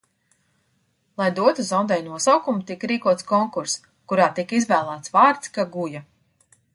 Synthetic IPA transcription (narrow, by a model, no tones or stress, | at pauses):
lˠajd̪uɔt̪uzɔnd̪ɛjnuɔsawkumut̪ikɾiːkuɔt̪skɔŋkuɾs | kuɾaːt̪ikizvæːlˠæːt̪svaːɾt̪skaɡuja